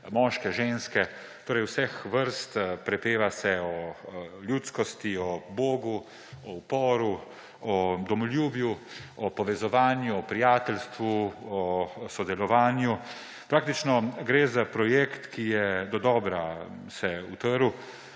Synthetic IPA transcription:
mɔːʃkɛʒenskɛ | t̪oːɾɛjwsɛxʋəɾst̪pɾɛpeːʋasɛɔlʲjut̪skɔst̪iɔboːɡu | ɔpɔːɾu | ɔd̪ɔmɔljuːbjuɔpɔʋɛzɔʋaːnjuɔpɾijaːt̪ɛlst̪ʋuɔsɔd̪ɛlɔʋaːnju | pɾaːk̚t̪it͡ʃnɔɡɾezapɾɔjekt̪kijɛd̪ɔd̪ɔːbɾa | sɛut̪əɾu

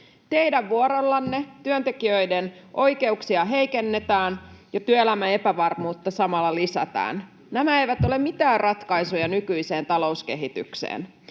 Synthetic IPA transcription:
t̪e̞idæʋʋuoɾɑlːɑnːet̪yønt̪ekiøjden | ʔo̞jke̞uksiɑɦe̞jkenːet̪æːnjɑt̪yøelæmæe̞pæʋɑrmuːt̪ːɑsɑmɑlːɑlisæ̰t̪æ̰ːn | næmæejʋæt̪o̞le̞mit̪æːrrʔɑt̪kɑjsujɑnykyise̞ːnt̪ɑlo̞uske̞ɦit̪y̰ksḛːn

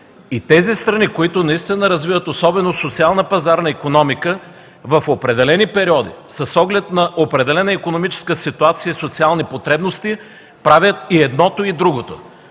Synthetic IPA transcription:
it̪ɛzist̪ɾɐnikoit̪onɐist̪inɐɾɐzvivət̪osɔbɛnosot̪sialˠnəpɐzaɾnɐikonɔmikə | vɐfopɾɛd̪ɛlɛnipɛɾiɔd̪ḭsɐsɔɡlɛt̪nɐʔopɾɛd̪ɛlɛnəikonomit͡ʃɛ̥skəsit̪uat̪sijəisot̪sialˠnipot̪ɾɛbnost̪i | pɾavʲjət̪iɛd̪nɔt̪oid̪ɾuɡot̪o̰

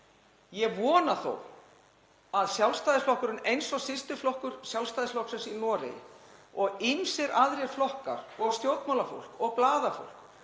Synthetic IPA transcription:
jɛvɔːnaθo̰w | aðsjawlst̪ajðɪsflɔhkʏɾʏnejnsɔɣsɪst̪ʏflɔhkʏɾ̥sjalst̪ajðɪsflɔhksɛnsinɔːɾḛjɪ̰ɔɣɪnsɛɾaðɾiɛɾ̥flɔhka̰ɾɔɣst̪jowt̪mawlafo̰wl̥kɔɣplaːðafo̰wl̥k

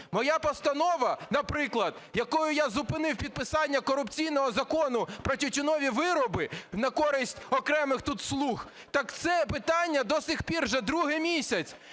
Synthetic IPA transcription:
mɔjapɔst̪ɐnɔʋɐnɐpɾɪklˠɐd̪jɐkɔjʊjazʊpɪnɪwpʲid̪̚pɪsɑnʲːɐkɔɾʊpt͡sʲijn̪ɔɦɔzɐkɔnʊpɾɔtʲʊtʲʊnɔʋʲiʋɪɾɔbɪnɐkɔɾɪsʲtʲɔkɾɛmɪxt̪ut̪slˠux | t̪ɑkt̪sɛpɪt̪ɑnʲːɐd̪ɔsʲixpʲirʒɛd̪ɾuɦɪmʲisʲɐt͡sʲ

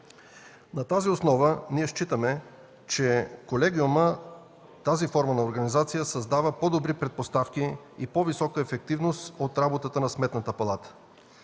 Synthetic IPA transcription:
nɐt̪aziosnɔvəniɛʃt͡ʃit̪əmɛ | t͡ʃɛkolɛɡʲiumə | t̪azifɔɾmənɐoɾɡɐnizat̪sijəsɐzd̪avəpod̪obɾipɾɛt̪̚post̪afki | ipɔvisɔkəɛfɛk̚t̪ivnost̪ot̪ɾabot̪ət̪ənɐsmɛt̪nət̪əpɐlˠat̪ə̥

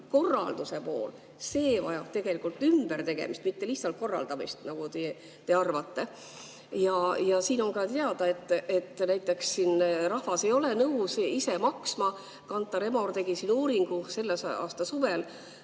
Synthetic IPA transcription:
ko̞rːɑ̰ld̪̥use̞po̞̰ːl | se̞ːvɑ̰jɑb̥̚t̪e̞ɡ̥e̞likult̪ːˑymb̥ert̪e̞ɡ̥e̞̰mist̪mit̪ːe̞liht̪sɑlt̪̚ko̞rːɑ̰ld̪ɑmḭst̪nɑɡ̥ut̪e | t̪e̞ɑrvɑt̪ːe̞ | jɑjɑsiːno̞nkɑt̪e̞ɑd̪̥ɑe̞t̪ˑːe̞t̪ːˑnæjt̪ˑːe̞ksːiːnrɑhvɑse̞jo̞lenɤwsise̞mɑksmɑ | kɑnt̪ːˑɑɾe̞mort̪e̞ɡisinuːɾiŋɡ̥use̞lːesɑ̰ːst̪ɑsuvel

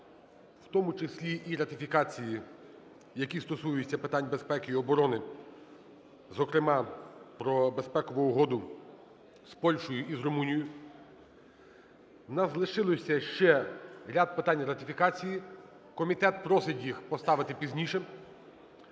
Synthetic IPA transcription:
w̥t̪ɔmʊt͡ʃɪsʲlʲiʔiɾɐt̪ʲɪfʲikɑt͡sʲiji | jɐkʲist̪ɔsujʊt͡sʲːɐpɪt̪ɑnʲbespɛkɪiɔbɔɾɔnɪ | zɔkɾɪmɑpɾɔbespɛkɔʋʊʊɦɔd̪ʊ | spɔlʲʃɔjʊʔizɾɔmunʲijʊ | nɐzlˠɪʃɪlˠɔsʲɐʃt͡ʃɛɾʲad̪̚pɪt̪ɑnʲɾɐt̪ʲɪfʲikɑt͡sʲiji | kɔmʲit̪ɛt̪̚pɾɔsɪtʲjixpɔst̪ɑʋɪt̪ɪpʲizʲnʲiʃɛ

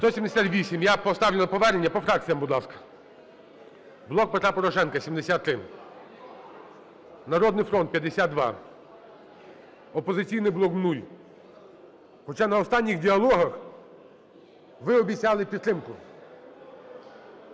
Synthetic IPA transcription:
t̪ɔsʲimd̪esʲat̪ʋʲisʲimjapɔst̪ɑwlʲɪlˠɐpɔʋɛɾenʲːɐpɔfɾɑk̚t͡sʲijɐmbʊd̪lˠɑskɐ̥ | blˠɔk̚pet̪ɾapɔɾɔʃɛnkɐsʲimd̪esʲat̪ːɾɪ | nɐɾɔd̪nɪjfɾɔnt̪pʲjɐd̪esʲat̪̚d̪ʋɑ̰ | ɔpɔzɪt͡sʲijnɪjblˠɔknulʲ | xɔt͡ʃanɐɔst̪ɑnʲːixdʲiɐlˠɔɦɐx | ʋɪɔbʲit͡sʲɑlˠɪpʲid̪t̪ɾɪmkʊ

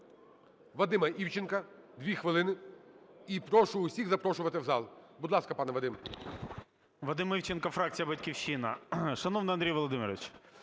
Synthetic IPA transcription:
ʋɐd̪ɪmɐʔiwt͡ʃɪnkɐd̪ʲʋʲixʋɪlˠɪnɪ | ipɾɔʃʊʊsʲiɣzɐpɾɔʃʊʋɐt̪ɪwzɑ̰lˠbʊd̪lˠɑskɐpɑnɛʋɐd̪ɪm | ʋɐd̪ɪmiwt͡ʃenkɐfɾɑk̚t͡sʲijɐbɐtʲkʲiwʃɪnɐ̰ʃɐnɔʋnɪɐnd̪ʲɾijʋɔlˠɔd̪ɪmʲɪɾɐʋʲɪt͡ʃ

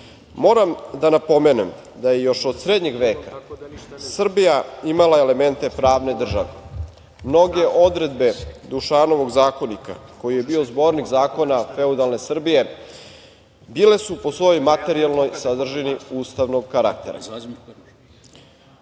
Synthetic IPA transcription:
mo̞ːɾamd̪anapo̞menem | d̪ajejo̞ʃod̪sɾed̪ɲe̞ɡʋe̞ːka | sr̩bijaimalae̞le̞me̞nt̪e̞pɾaːʋne̞d̪r̩ʒaʋḛ | mno̞ɡeʔod̪ɾe̞d̪be̞d̪uʃaːno̞ʋo̞ɡzaːko̞nika̰ko̞jije̞biːozbo̞ɾnikzaːko̞nafe̞ud̪alne̞sr̩bije̞ | bile̞supo̞sʋo̞jojmat̪e̞ɾialno̞jsad̪r̩ʒiniuːst̪aʋnoɡkaɾak̚t̪ḛɾa̰

